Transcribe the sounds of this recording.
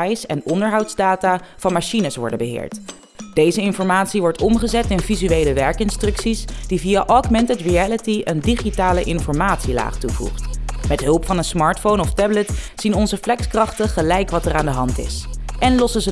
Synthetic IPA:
jsɛnɔndəɹɦɑwtzdaːtaːv̥ɑnmaːʃinəsʋɔ̰ɹdəbəɦɪ̰ːɹt | d̥ejzəɪnfɔɹmaːtsiʋɔɹtɔmχəzɛtɪnvizyejləʋɛɹkɪnstrɵksisd̥ivijaʔɑkmɛntətɹiælətiʔəndiχitaːləʔɪnfɔɹmaːtsila̰ːχtuvṵχtmɛtɦɵlˠpfɑnənsmɑːɹtfownɔftɛblət | z̥inɔnzəflɛkskrɑχtəχəlɛjkʋɑtəraːndəɦɑntɪ̰sʔɛnlɔsəzə

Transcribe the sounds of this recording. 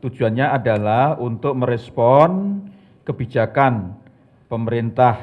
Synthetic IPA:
t̪u̥d͡ʒ̥uanɲaʔadalahunt̪ʊk̚məɾɛspɔn | kəbid͡ʒakan | pəməɾint̪ah

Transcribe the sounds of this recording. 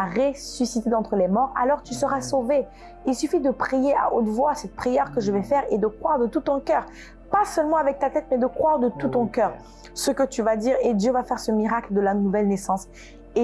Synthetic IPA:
aʁesysit̪ed̪ɑ̃t̪χəlɛmɔʁa̰lɔʁt̪ysəʁasove | ilsyfid̪əpχijea̰ʔot̪vwasɛt̪̚pχijœʁkəʒəvɛfɛʁed̪əkχwaʁd̪ət̪ut̪ɔ̃kʲœːʁ | pasœlmɑ̃avɛk̚t̪at̪ɛt̪mɛd̪əkχwaʁd̪ət̪ut̪ɔ̃kʲœːʁ | səkət̪yvad̪iʁed̪jøvafɛʁsəmiʁakld̪əlanuvɛlnesɑ̃s | e

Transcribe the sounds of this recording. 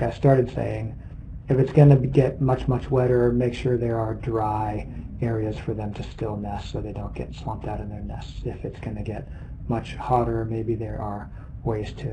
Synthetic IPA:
aɪstɑɹɾɨd̥sḛɪɪ̃ŋ | ɨfɨtsɡ̥ʌ̃nɨɡɛt̚mʌt͡ʃmʌt͡ʃwɛɾə˞meɪkʃʊɹðə˞ːdɹaɪɛɹiɨz̥fə˞ðɨ̃mtʰɨstɪlˠnɛstsoʊðeɪdõʊ̃nɡ̥ɛ̰tswɑ̃mp̚taʊɾɨ̃n̩ðə˞nɛstsɨfɨtsɡ̥ʌnɨɡɛt̚ | mʌt͡ʃhɑɾə˞meɪbiðə˞ʔə˞ | weɪz̥tʰɨ

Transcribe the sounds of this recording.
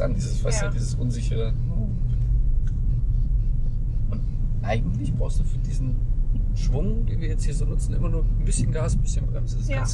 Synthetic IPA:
a̰ndiːzəsfasid̥iːzəsʔʊnzɪçəʁə | ʔʊnt | ʔaɪɡŋ̩tlɪçb̥ʁaʊstd̥uːfyːɐdiːzn̩ʃv̥ʊŋd̥eːnviːɐjɛt͡sthiːɐzoːnʊt͡sn̩ʔɪ̰mɐnuːɐnbɪsçənɡaːsn̩bɪsçənbʁɛmsd̥assɡ̥ans

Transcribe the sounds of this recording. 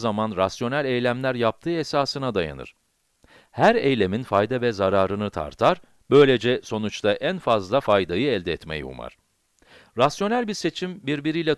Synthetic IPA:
zamanɾasjo̞nælʲɛjlʲæmlʲæɾjap̚t̪ʰɯːɛsaːsɯnad̪aja̰nɯ̰ɾ̥ | hæɾejlʲe̞minfajd̪avɛzaɾaːɾɯnɯt̪ʰa̰ɾt̪ʰaɾ | bø̞jlʲe̞d͡ʒɛso̞nut͡ʃt̪aʔænfazlˠafajd̪ajɯɛlʲd̪ɛːt̪mḛjḭṵma̰ɾ̥ | ɾasjo̞nælʲbiɾse̞t͡ʃʰimbiɾbiɾijlʲɛ

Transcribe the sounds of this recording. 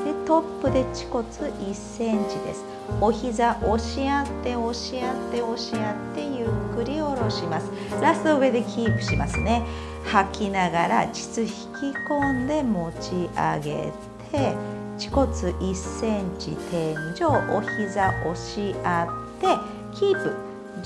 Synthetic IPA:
d̪̥e̞t̪o̞pːɯ̟d̪e̞t͡ɕi̥ko̞t͡sɨʔisːẽ̞ɲt͡ɕid̪e̞sɨ̥ | o̞çizaʔo̞ɕiat̪ːe̞o̞ɕiat̪ːe̞o̞ɕiat̪ːe̞jɯ̟kːɯ̟ɾʲio̞ɾo̞ɕimasɨ̥ | ɾasoɯ̟e̞d̪e̞kʲʰiːpɯ̟̥ɕimasɨne̞ | hakʲinaɡaɾat͡ɕi̥t͡sɨçi̥kʲikõ̞nd̪e̞mo̞t͡ɕia̰ɡe̞̰ | t̪ʰe̞ | t͡ɕi̥ko̞t͡sɨʔisːẽ̞ɲt͡ɕḭt̪ʰẽ̞ɲd͡ʑo̞ːʔoçizaʔo̞ɕiat̪ːe̞ | kʲiːpɯ̟

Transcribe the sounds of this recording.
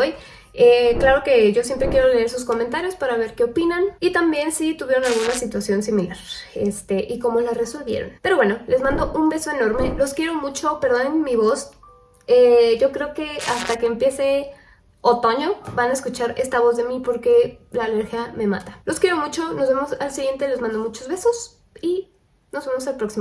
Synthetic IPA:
oj | eklaɾo̞ke̞ʝo̞s̬je̞mpɾe̞kje̞ɾo̞le̞eɾsusko̞ment̪aɾjo̞spaɾaβ̞e̞ɾkeopinanit̪ambje̞nsit̪uβje̞ɾo̞nalɣunasit̪wasjo̞nsimilaɾḛst̪e̞ʔiko̞molare̞so̞lβje̞̰ɾo̞̰npe̞ɾo̞βwe̞no̞le̞zmãnd̪o̞ʔumbe̞so̞e̞no̞ɾme̞lo̞skje̞ɾomut͡ʃo̞pe̞ɾðo̞nenmiβo̞s | eɟ͡ʝo̞kɾe̞oke̞ast̪akeːmpje̞se̞ | ot̪o̞ɲo̞banaeskut͡ʃaɾe̞st̪aβo̞zðe̞mipo̞ɾke̞laːleɾxjame̞ma̰t̪ḁlo̞skjeɾo̞mut͡ʃo̞nozβemo̞salsiɣje̞nt̪e̞le̞zmãnd̪o̞mut͡ʃo̞zβe̞so̞s | i | no̞zβemos̬alpɾo̞ksimo

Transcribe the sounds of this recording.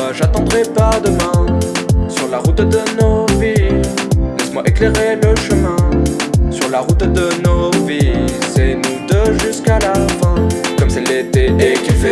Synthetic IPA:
ʒat̪ɑ̃d̪ʁɛpad̪əmɛ̃ | syʁlaʁut̪d̪ənovi | lɛsmwaʔekleʁeləʃəmɛ̃syʁlaʁut̪d̪ənovisɛnud̪əʒyskalafɛ̃kɔmsɛlːet̪eekʲifɛ

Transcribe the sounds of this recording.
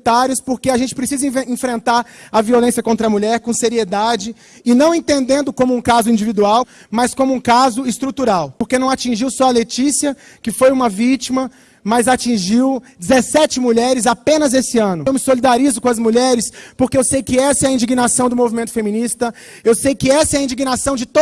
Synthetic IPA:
t̪aɾjʊspoɾkeaʒẽnt͡ʃɪpɾesizɐĩẽfɾẽnt̪aɾɐviolẽsjɐkõnt̪ɾɐmuʎɛɾkõseɾied̪ad͡ʒɪ | ɪnɐ̃w̃ẽnt̪ẽnd̪ẽnd̪ʊkõmʊũkazʊĩd͡ʒivid̪uaw | mɐskõmʊũkazʊɪst̪ɾut̪uɾawpoɾkenɐ̃w̃at͡ʃĩʒiwsɔɐlet͡ʃisiɐ | kɪfojũmɐvit͡ʃimɐ | mɐzat͡ʃĩʒiwd͡ʒɪzesɛt͡ʃɪmuʎɛɾɪzapẽnɐzesɪɐ̃nʊewmɪsolid̪aɾizʊkõɐzmuʎɛɾɪspoɾkeewsejkɪɛsɐɛɐĩd͡ʒiɡinasɐ̃w̃d̪ʊmovimẽnt̪ʊfemĩnist̪ɐ | ewsejkɪɛsɐɛɐĩd͡ʒiɡinasɐ̃w̃d͡ʒɪt̪o

